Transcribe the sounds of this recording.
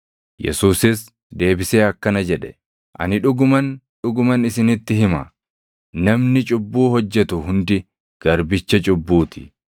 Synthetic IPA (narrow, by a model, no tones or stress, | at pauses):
jɛ̰suːsɪs | d̪e̞ːbɪse̞ːɐkːɐnɐd͡ʒɛᶑɛ̥ | ʔɐ̰nɪᶑʊɡʊmɐn | ᶑʊɡʊmɐnɪsɪnɪt̪ːɪhɪmɐ | nɐmnɪt͡ʃʼʊbːuːhɔd͡ʒːɛt̪ʊhʊnd̪ɪ | ɡ̥ɐɾbɪt͡ʃːɐt͡ʃʼʊbːuːt̪ɪ̥